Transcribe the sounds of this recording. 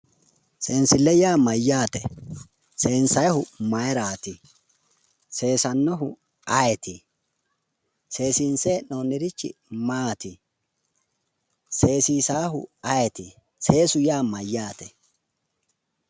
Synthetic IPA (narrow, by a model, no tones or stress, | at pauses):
se̞ːnsɪlɛjaːmɐjːaːt̪ɛ̰ | se̞ːnsɐjhʊmɐjɾaːt̪ɪ | se̞ːsɐnːɔɦʊ | ɐjɛt̪ʰɪ | se̞ːsinseːnoːnːɪɾɪt͡ʃːɪ̰maːt̪ɪ | se̞ːsiːsaːɦʊ̰ɐjɛt̪ɪ | se̞ːsʊjaːmɐjːaːt̪ɛ